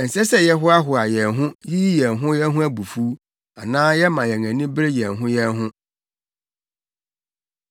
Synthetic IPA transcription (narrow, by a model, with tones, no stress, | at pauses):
ɛ˨n̩˨sɛ˦sɛ˦jɛ˦ɦʊ˦a˦ɦʊ˨a˨jɛ˨nɦʊ̃˦ji˦jɛ˨nɦʊ̃˦jɛ˦ɦʊ̃˦æ˦bu˨fu˦ | a˨nãː˦jɛ˦mã˨jɛ˨ŋæ̃˨nĩ˦bɪ˦ɾe˦jɛ˨nɦʊ̃˦jɛ˦nɦʊ̃˦